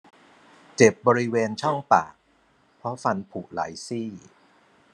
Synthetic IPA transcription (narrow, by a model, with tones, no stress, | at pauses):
t͡ɕe˨˩p̚bɔː˧ɾi˦˥weː˧nt͡ɕʰɔ˥˩ŋpa̰ː˨˩k̚ | pʰɾɔ˦˥fa˧npʰu˨˩ʔla̰˩˦jsiː˥˩